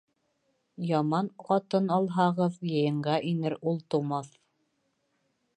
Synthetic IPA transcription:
jɑmɑnqɑt̪ɤnɑlˠɦɑʁɤðjɤ̆jɤ̆ɴɢɑʔinɘɾulˠt̪ŭmɑθ

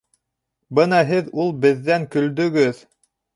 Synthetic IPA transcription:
bɤnɑɦɘðulˠbɘ̆ðːæŋkɵ̆ld̪ɵ̆ɡɵð

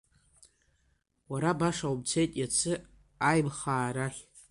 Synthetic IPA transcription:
waɾabaʂaubt͡sʰejtʼjat͡sʰɨ | ajmχaːɾaχʲ

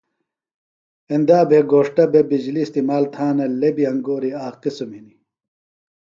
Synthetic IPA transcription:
end̪aːbeɡoːʂʈɐbebid͡ʑliːst̪imaːlt̪ʰãːnɐlebiɐŋɡoːɾiaːqisomini

